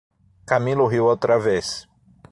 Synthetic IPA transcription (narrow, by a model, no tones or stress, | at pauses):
kamilʊɦiwowt̪ɾɐves